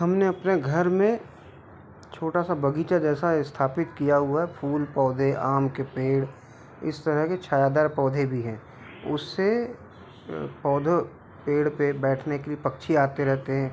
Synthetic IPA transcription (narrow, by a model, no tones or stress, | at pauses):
ɦɐmneɐpneɡʱɐɾmẽ | t͡ʃʰoːʈasabɐɡiːt͡ʃad͡ʒɛːsaɪst̪ʰaːpɪt̪kijaɦʊaɦɛpʰuːlpɔːd̪ʱeʔaːmkepeːɽ | ɪ̰st̪ɐɾəɦket͡ʃʰaːjaːd̪aːɾpɔːd̪ʱebʱiɦɛ̃ː | ʊ̰sːe | pɔːd̪ʱo | peːɽpebɛːʈʰnekelipɐkʃʰiaːt̪eɾɛɦt̪eɦɛ̃ː